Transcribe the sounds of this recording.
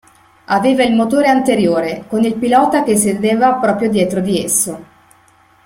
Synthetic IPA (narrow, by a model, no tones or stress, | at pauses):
aveːvailmot̪oːɾeant̪eɾjoːɾekonilpilɔːt̪ak̟es̬ːed̪eːvapɾɔːpɾjod̪jɛːt̪ɾod̪iesːo